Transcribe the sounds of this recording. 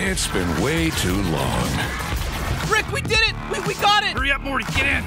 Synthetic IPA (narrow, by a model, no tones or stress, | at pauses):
ɪtsb̥ɨ̃nweɪtʰʉlɔ̰̃ŋ | b̥ɹɪkwidɪɾɪt̚wiwiɡɑɾɪtəɹiʌp̚mɔɹɨɡɛɾɪ̃n